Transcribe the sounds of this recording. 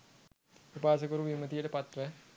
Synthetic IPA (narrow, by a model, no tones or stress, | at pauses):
pipaːs̬əkoɾuʋimət̪ijəʈəpat̪rə